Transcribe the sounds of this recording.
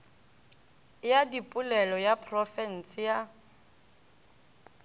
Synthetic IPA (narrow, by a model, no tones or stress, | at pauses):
jadipʼʊlɛlɔjapʰrɔfɛn̩sija